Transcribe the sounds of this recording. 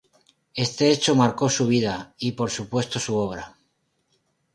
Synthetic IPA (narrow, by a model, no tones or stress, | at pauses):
e̞st̪e̞et͡ʃomaɾko̞suβ̞iðaipo̞ɾsupwe̞st̪o̞suo̞β̞ɾa